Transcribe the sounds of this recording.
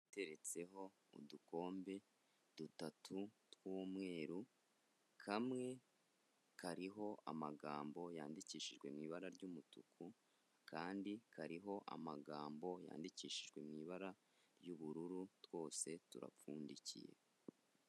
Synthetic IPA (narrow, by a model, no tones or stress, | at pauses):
te̞ɾe̞t͡se̞ɦo̞ | ṵduko̞ːmbe̞ | d̥utatʰutwuːmŋe̞ːɾu | kʰamŋe̞ | kʰaɾiɦo̞ʔa̰maɡaːmbo̞ja̰ːndiciːʃiʒɡwe̞mŋiːβaɾaɾɟumutukʰu | kaːndikaɾiɦo̞ʔa̰maɡaːmbo̞ja̰ːndiciːʃiʒɡwe̞mŋiːβaɾa | ɾjuβuɾuɾutw̥o̞ːse̞tṵɾa̰fuːndicḭjḛ